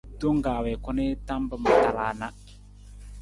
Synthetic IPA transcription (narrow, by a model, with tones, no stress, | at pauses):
do˦ŋɡaː˨wɛ˨kʊ˦nɪ˦ta˦mbə˨ma˨ta˨laː˨na˦